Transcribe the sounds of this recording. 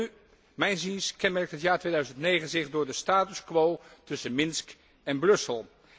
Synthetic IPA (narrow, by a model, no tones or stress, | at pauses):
y | mɛjnzinskɛnmɛɹk̚tɦətjaːɹtʋejdœɥzəntnejχənzɪχdʊːɹdəstaːtʏskʋowtɵsənmɪnsk | ɛnbrɵsəlˠ